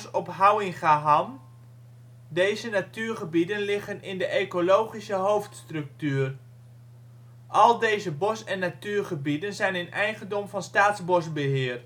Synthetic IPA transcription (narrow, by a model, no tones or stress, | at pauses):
sɔpɦawɪŋχaɦan | dejzənatyːrχəbidənlɪχənɪndəʔejkolowχisəɦowftstrɵk̚tyːr | ʔɑlˠdejzəbɔsɛnːatyːrχəbidənzɛjnɪnɛjχəndɔmvɑnstaːtzbɔsbəɦɪːr